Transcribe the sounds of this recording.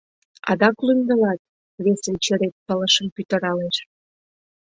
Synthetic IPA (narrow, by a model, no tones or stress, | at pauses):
ɑ̰d̪ɑklynd̪ə̆lɑt̪̚ | βeset͡ɕə̆ɾet̪̚pələʃəmpyt̪ə̆ɾɑleʃ